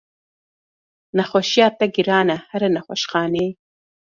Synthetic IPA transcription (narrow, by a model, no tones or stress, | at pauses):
naxoʃjɑːt̪aɡiɾɑːnahaɾanaxoʃxɑːne